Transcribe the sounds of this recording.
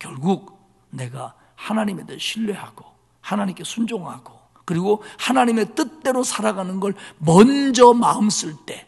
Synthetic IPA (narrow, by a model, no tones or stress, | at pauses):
kjʌɭɡuɡ̚ | ne̞ɡa | hanaɲime̞deɕʰiɭːe̞haɡo | hanaɲimk͈e̞sʰund͡ʑoŋɦaɡo | kɯɾiɡohanaɲime̞t͈ɯt͈e̞ɾosʰaɾaɡanɯnɡʌɭmʌnd͡ʑʌmaɯms͈ɯɭt͈e̞